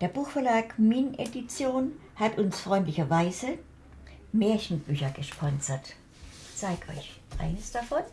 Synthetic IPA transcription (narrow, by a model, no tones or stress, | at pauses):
d̥eːɐbuːxfɛɐlaːkminʔḛdit͡sjoːn | hatʊnsfʁ̥ɔʏntlɪçɐvaɪzə | meːɐçn̩b̥yːçɐɡ̥əʃpʰɔnzɐt | t͡saɪkʔɔʏç | ʔa̰ɪnəsd̥afɔn